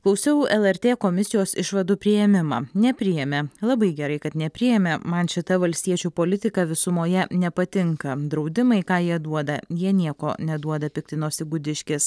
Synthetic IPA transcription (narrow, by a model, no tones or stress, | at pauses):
klˠɐʊsʲɛʊɛlˠɛɾʲt̪ʲeːkoːmʲɪsʲɪjoːsɪʃʋɐd̪uːpʲɾʲɪjɛmʲɪmɑ̰ːnʲɛpʲɾʲɪjɛmʲɛlˠɐbɐɪɡʲɛɾɐɪkɐt̪nʲɛpʲɾʲɪjɛmʲɛmɐnʃʲɪt̪ɐʋɐlʲsʲt̪ʲiɛt͡ʃʲuːpoːlʲɪt̪ʲɪkɑʋʲɪsʊmoːjɛnʲɛpɐt̪ʲɪŋkɐd̪ɾɒʊd̪ʲɪmɐɪkɑːjiɛd̪uɔd̪ɐjiɛnʲiɛko̰ːnʲɛd̪uɔd̪ɐpʲɪkt̪ʲɪnoːsʲɪɡʊd̪ʲɪʃʲkʲɪs